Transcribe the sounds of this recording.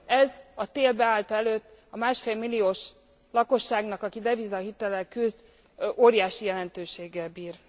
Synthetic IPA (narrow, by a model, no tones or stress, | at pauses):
ɛzɒt̪eːlbɛaːlt̪ɒɛløːt̪ːɒmaːʃfeːlmilːioːʃ | lɒko̞ʃːaːɡnɒkɒkid̪ɛvizɒɦit̪ɛlɛkyzd̪ | oːɾijaːʃijɛlɛnt̪øːʃeːɡːɛlbiːr